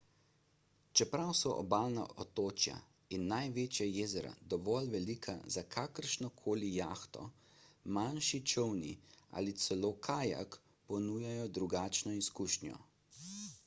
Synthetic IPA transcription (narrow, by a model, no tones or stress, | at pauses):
t͡ʃɛpɾawsɔʔɔ̰baːlna̰ʔɔt̪oːt͡ʃja̰ | inːajʋeːt͡ʃjajeːzɛɾa̰d̪ɔʋɔlʋɛliːkʰa̰zakʰaːkəɾʃnɔkʰoːlijaːxt̪ɔ̰ | manʃit͡ʃəwnḭa̰lit̪sɛloːkʰaːja̰k | pɔnuːjajɔd̪ɾuɡaːt͡ʃnɔiskuʃnjɔ̰